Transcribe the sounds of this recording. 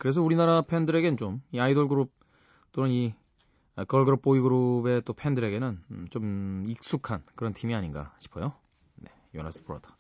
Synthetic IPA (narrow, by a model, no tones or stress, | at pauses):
kɯɾe̞s̬ʰʌuɾinaɾapʰendɯɾe̞ɡe̞nɯnt͡ɕomiaidʌɭɡɯɾup̚ | t͈onɯni | kʌɭɡɯɾup̚p͈oiɡɯɾube̞t͈opʰe̞ndɯɾe̞ɡe̞nɯnt͡ɕomik̚s͈ukʰankɯɾʌntʰimiaɲinɡa̰ɕʰi̥pʰʌ̰jo | ne̞̰ | jona̰sʰɯ̥pʰoɾa̰dḁ